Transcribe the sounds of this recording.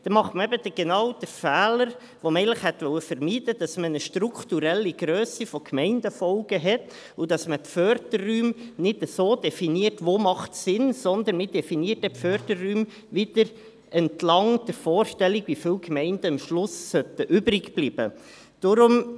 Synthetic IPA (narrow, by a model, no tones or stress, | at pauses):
d̥̪ɛmɑχtməɛbəd̥̪əɡ̥enɑwd̥əfæːləɾ | ʋomɛɪləχhɛt̪ʋœwəfəɾmiːd̥əd̥ɑsmənəʃtɾukʰtuɾɛlːiɡɾøːsifɔkʰmɛɪnd̥əfɔlɡ̥əɦɛt | ʊdɑsməpfœɾdərːyːmnɪdəsoːd̥ɛfiniərtʋoːmɑχtsɪnsɔnd̪ənmɪdɛfiniːərt̚ɛfœɾdərryːm | ʋɪd̥əɾ | ʔɛntlɑŋd̥̪əɾfoːrʃtɛliɡʋifɪːwkmɛɪnd̥əəmʃlʊsːœt̪əʔʏbɾɪkb̥liːb̥ə | d̥ʊɾʊm